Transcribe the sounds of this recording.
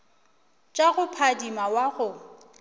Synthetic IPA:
t͡ʃʼaɣʊpʰadimawaɣʊ

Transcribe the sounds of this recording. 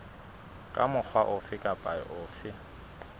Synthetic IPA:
kʼamʊk͡xʰwaʔʊfɪkʼapʼaɪʔʊːfɪ

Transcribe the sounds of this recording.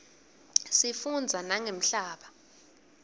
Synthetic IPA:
sifund͡zʱanaŋem̩ɬaːɓa

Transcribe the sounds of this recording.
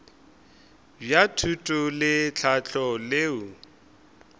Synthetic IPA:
bjatʰutʼʊlɪt͡ɬʰat͡ɬʰɔleːu

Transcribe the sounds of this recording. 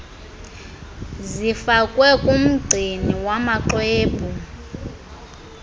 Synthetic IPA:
zifakʼwɛkʼum̩ɡ͡ǀʱiniwamaǃweːbʱu

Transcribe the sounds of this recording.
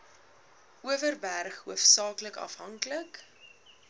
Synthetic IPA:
uəvərbærχɦuəfsɑːkləkɐ̰fɦɐŋklək

